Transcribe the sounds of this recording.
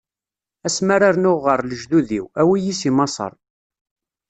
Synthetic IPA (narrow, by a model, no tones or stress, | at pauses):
æsməɾaɾnʊʁːəɾˤləʒðuðḭwæwijisimɑsˤə̰ɾˤ